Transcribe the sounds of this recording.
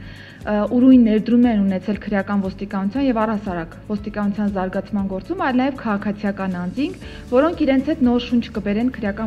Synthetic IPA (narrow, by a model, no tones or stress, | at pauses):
uɾujnːɛɾd̪ɾumɛnunɛt͡sʰɛlkʰəɾjɑkɑnvɔst̪ikɑnut͡sʰjɑnjɛvɑrɑsɑɾɑkvɔst̪ikɑnut͡sʰjɑnzɑɾɡɑt͡sʰmɑnɡɔɾt͡sumɑjlnɑjɛvkʰɑʁɑkʰɑt͡sʰijɑkɑnɑnd͡ziŋkʰ | vɔɾɔŋkʰiɾɛnt͡sʰhɛt̪nɔɾʃunt͡ʃʰkəbɛɾɛnkʰəɾjɑkɑ